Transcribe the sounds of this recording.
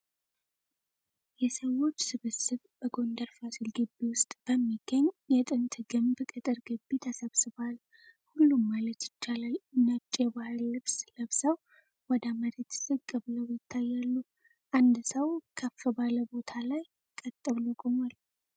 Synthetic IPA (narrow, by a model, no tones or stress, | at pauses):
jɛsəwo̞t͡ʃːsɨβɨsɨβb̥əɡo̞nd̪əɾfasɨlɡɨbːiwʊst̪ʼb̥əmːiɡəɲːjɛt̪ʼɨnt̪ʰɡɨmbkʼɨt̪ʼɨɾɡɨbːit̪ʰəsəβsɨβal | hulːumːalət̪jɪt͡ʃːalalnəβt͡ʃʼeɛbahɨlːɨβsləβsəw | wɔd̪aməɾit̪sɨkʼɨβləwjɪt̪ʰːajːalːu | ʔand̪səwkʰəfːəbaləbo̞t̪ʰalaj | kʼət̪ʼːəβlukʼomal